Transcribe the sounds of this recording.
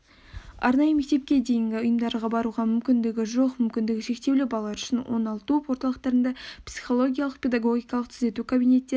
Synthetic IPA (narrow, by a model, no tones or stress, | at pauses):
ɑ̰ɾnɑjəme̞k̚ʲt̪e̞p̚kʲe̞d̪e̞jɪŋɡʲɪʊjəmd̪ɑɾʁɑbɑɾuʁɑmʏmkʲɪnd̪ɪɡʲɪʒo̞qmʏmkʲɪnd̪ɪɡʲɪʃe̞kt̪e̞wlɪbɑlˠːɑɾʏʃɪnwo̞̰nɑlˠt̪upwo̞ɾt̪ɑlˠəqt̪ɑɾənd̪ɑpsi̥χo̞lˠo̞ɡʲijɑlˠəqpʰʲe̞d̪aɡo̞ɡʲijkɑlˠəqt̪ʰʏze̞t̪ukʰabijne̞t̪ːe̞